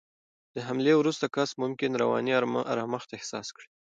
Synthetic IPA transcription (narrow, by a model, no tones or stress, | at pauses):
d̪̥əɦamlewɾust̪akɑsmʊmkɪnɾawɑ̰niaɾa̰ɾɑməxt̪aehsɑskɽi